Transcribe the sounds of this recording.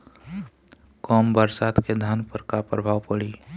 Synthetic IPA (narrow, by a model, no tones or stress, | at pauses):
kɔːmbəɾsaːt̪ked̪ʱanpəɾkapɾəbʱaːwpəɽi